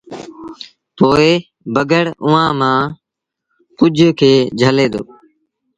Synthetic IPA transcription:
poːɪ | bəɡəɽʊʋãːmãː | kʊd͡ʒʱkʰeːd͡ʒʱəleːd̪o̰ː

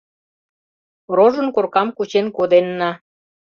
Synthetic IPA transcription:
roʒə̆nkorkɑmkut͡ɕenkod̪enːɑ

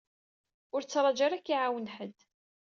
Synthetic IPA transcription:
ʊɾt͡sːɾˤɑd͡ʒaɾækːiʕawənħəd̪

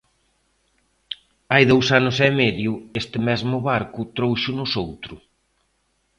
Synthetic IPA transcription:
ajðowsanʊsɛmɛðjʊest̪ɪmɛzmʊβaɾkʊt̪ɾowʃʊnʊsowt̪ɾʊ

